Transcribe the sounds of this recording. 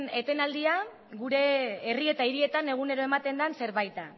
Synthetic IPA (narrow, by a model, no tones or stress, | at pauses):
ne̞t̪e̞nald̪ia | ɣuɾe̞ːrie̞t̪aiɾie̞t̪ane̞ɣ̞une̞ɾo̞e̞mat̪e̞nd̪anse̞ɾβajt̪a